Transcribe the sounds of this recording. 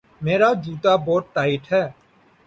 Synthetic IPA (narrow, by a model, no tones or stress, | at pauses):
meːɾaːd͡ʒuːt̪aːboːʈːaːɪʈɦɛː